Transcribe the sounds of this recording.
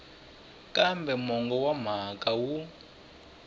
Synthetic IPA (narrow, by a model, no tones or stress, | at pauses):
kambɛmɔŋɡɔwam̤akʼawu